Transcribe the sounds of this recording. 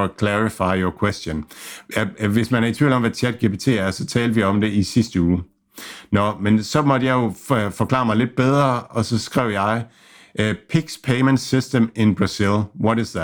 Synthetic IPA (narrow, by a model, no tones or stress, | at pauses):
kʰlæʁifɑ̈ɪ̰jɔkʰwesd̥jonjæʋe̝smænæɐit͡sʰʋḭːl̩ɒ̽mʋæt͡sʰæd̥̚ɡ̥e̝ːpʰe̝ːt͡sʰe̝̰ːæɐsɒ̽t͡sʰɛːld̥əʋiaɒ̽md̥e̝isisd̥əuː | nɒmensɒ̽mɒd̥əjɑ̈ɪjo̝fɒ̽kʰlɑ̈ːmɑ̈ɪle̝d̥̚b̥eð̞ˠʁɐɒ̽sɒ̽sɡ̥ʁɛʊ̰jɑ̈ɪ | ʔpʰiɡ̥spʰeɪmend̥sisd̥əme̝nb̥ʁɑsilʋɒ̽ɾɪsðæ